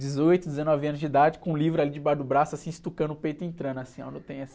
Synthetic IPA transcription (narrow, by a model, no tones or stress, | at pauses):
d͡ʒɪzojt̪ʊd̪ezenɔviɐ̃nʊzd͡ʒid̪ad͡ʒɪkõũlivɾalid͡ʒɪbaɾd̪ʊbɾasʊasĩɪst̪ukɐ̃nʊpej̪ʊẽt̪ɾɐ̃nasĩõ̰nɐ̃t̪ẽj̃ɛs